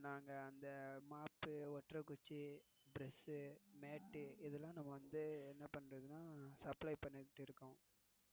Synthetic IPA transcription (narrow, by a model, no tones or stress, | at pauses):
naːŋɡɐːnd̪ɐmaːpːɯɔʈɾɐkʊt͡ʃːibɪɾɛsɯmeːʈːɯɪðɛlːãːnɐmːɐʋɐnd̪ɯɛnːɐpɐɳːɾɐðɯnaːsɐplɐɪpɐɳːɪkɪʈːɯɪɾɯkːʊ̃